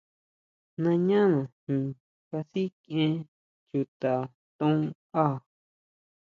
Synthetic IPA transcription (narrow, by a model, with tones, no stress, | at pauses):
nã˧ɲã˦nã˨hĩ˧ | ka˧si˦kẽ˦ | t͡ʃu˧t̪a˨ | t̪õ˦ | a˦˨